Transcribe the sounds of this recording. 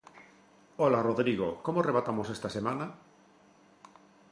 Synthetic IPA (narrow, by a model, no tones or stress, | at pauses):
olaroðɾiɣ̞o̰komoareβat̪amosest̪asemana